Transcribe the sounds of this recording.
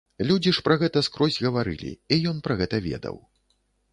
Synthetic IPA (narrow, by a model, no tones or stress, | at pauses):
lʲud͡zʲiʂpɾɐɣɛt̪ɐskɾɔzʲɣɐvaɾɨ̰lʲḭijɔnpɾɐɣɛt̪ɐvʲɛ̰d̪ɐ̰w